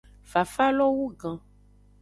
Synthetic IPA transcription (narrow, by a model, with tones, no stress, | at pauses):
fa˨fa˦lɔ˦wu˦ɡã˨